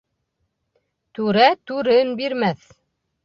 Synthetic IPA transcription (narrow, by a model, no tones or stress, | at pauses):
t̪ʉɾæt̪ʉɾɘnbiɾmæθ